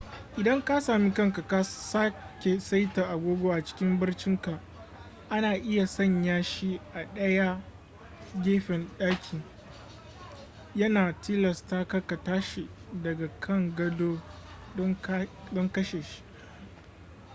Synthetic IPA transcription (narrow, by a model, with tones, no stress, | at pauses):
ʔɪ˨dɐ˦ŋka˦saː˨miː˦kɐ˦ŋka˨ka˦sa˦kʲe˨sa˦jta˨ʔa˨ɡʷoː˦ɡʷoː˦ʔa˨t͡ʃɪ̥˦kʲɪ˦mbɪ˦rt͡ʃɪ˦ŋka˨ʔ | ʔa˦naː˨ʔɪ˦ja˨sɐ˦˨ɲjaː˦ʃi˦ʔa˨ɗɐ˦ja˦ | ɡʲeː˦ɸɛ˨nɗaː˦kʲʰɪ˨ | jɐ˦naː˨tʰiː˦lɐ˨staː˦ka˦ka˨taː˦ʃe˨dɐ˨ɡa˨kʰɐ˦˨ŋɡɐ˦doː˦ | dɔ˦ŋdɔ˦ŋkɐ˦ʃeː˨ʃi̥˦ʔ